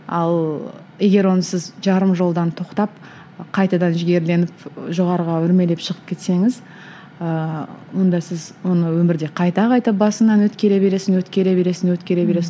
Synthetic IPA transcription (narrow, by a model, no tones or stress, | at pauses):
ɑ̰lˠ | je̞ɡʲe̞ɾwo̞nəsɪzʒɑɾəmʒo̞lˠd̪ɑnt̪ʰo̞qt̪ɑp̚ | qʰɑjt̪ɑd̪ɑnʒɪɡʲe̞ɾle̞nɪpʒo̞ʁɑɾəʁɑʏɾme̞le̞pʃəʁəp̚kʲʰe̞t̪se̞ŋɪz | əwo̞nd̪ɑsɪzwo̞nəwɵmɪɾd̪e̞qʰɑjt̪ɑqʰɑjt̪əp̚bɑsənɑnwɵt̪kʲe̞ɾe̞be̞ɾe̞sɪnwɵt̪kʲe̞ɾe̞be̞ɾe̞sɪnwɵt̪kʲe̞ɾe̞be̞ɾe̞sɪ